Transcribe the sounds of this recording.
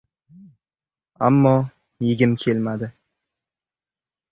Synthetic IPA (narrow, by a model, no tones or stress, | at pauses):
a̰mːɒ | jɪɡʲɪmkʲʰe̞lmad̪ɪ